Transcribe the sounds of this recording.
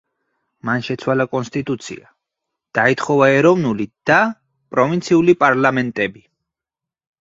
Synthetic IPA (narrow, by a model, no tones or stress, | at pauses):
manʃɛt̪sʰwalakʼɔnst̪ʼit̪ʼut̪sʰḭa | d̪̥ait̪χɔvaɛɾɔvnulid̪̥a | pʼɾɔvint̪sʰiulipʼaɾlamɛnt̪ʼɛbi